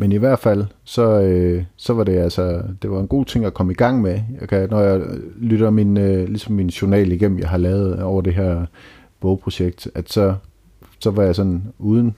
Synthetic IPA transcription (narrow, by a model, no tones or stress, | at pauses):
meniʋæɐ̰d̥fæl̰sɒ̽øsɒ̽ʋɑ̈ɾe̝ælsɐd̥e̝ʋɑ̈e̝nɡ̥o̝̰ːt͡sʰe̝ŋ̰ækʰɒ̽məiɡ̥ɑ̈ŋ̰mejɑkʰænɒjɑ̈ɪlyɾɐminlisɒ̽mːinɕonɛ̰ːliɡ̥em̰m̩jɑ̈ɪɦɑ̈lɛːʊð̩ˠɒʊ̰ɐd̥e̝ɦeɐ̰ | b̥ɔʊpʰʁo̝ɕeɡ̥̚d̥æd̥sɒ̽ | sɒ̽ʋɑ̈jɑ̈ɪsɒ̽nuːð̞ˠn̩